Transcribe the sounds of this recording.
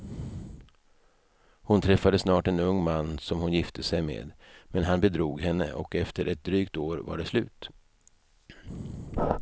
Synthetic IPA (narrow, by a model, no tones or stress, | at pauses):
hʊnt̪ʰɾɛfːad̪əsnɑːʈɛnɵŋːmanːsɔmhʊnjɪft̪ʰəsɛjmḛːd̪mɛnɦanbɛd̪ɾuːɡɦɛnːə̰ʔɔkɛft̪əɾʔɛt̪̚d̪ɾyːk̚t̪oːɾva̰ɖɛslʉ̟ːt̪